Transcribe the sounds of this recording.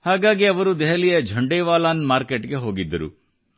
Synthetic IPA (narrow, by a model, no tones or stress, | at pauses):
haːɡaːɡiɐʋɐɾud̪ɛɦɐlijɐd͡ʒʱɐɳɖeːʋaːlaːnmaːɾkeʈɡe̞ɦo̞ːɡid̪ːɐɾṵ